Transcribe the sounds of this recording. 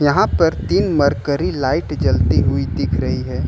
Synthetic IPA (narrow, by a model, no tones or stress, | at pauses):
jɐɦãpɐɾt̪iːnmɐɾkəɾilaːɪʈd͡ʒɐlt̪iɦʊid̪ɪkʰɾɐɦiɦɛː